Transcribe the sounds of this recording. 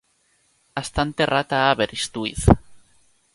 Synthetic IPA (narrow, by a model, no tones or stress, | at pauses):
ast̪ant̪erat̪aːβeɾist̪uḭθ